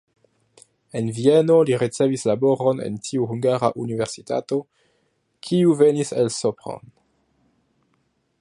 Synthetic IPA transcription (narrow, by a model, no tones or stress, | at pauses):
e̞nvieno̞liɾit͡se̞vislabo̞ɾonḛntʰiuɦhuŋɡaɾa̰ʔuniveʁsita̰to̞ | kʰiuve̞niselsopʁo̰n